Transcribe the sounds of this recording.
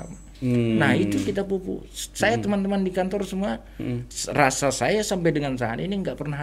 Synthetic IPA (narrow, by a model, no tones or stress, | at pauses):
a̰ma | nahit̪ukit̪apupṵsajat̪əmant̪əmandikant̪ɔrsəmua | rasasajasampajdəŋansaa̰niniəŋɡaʔpərnaɦ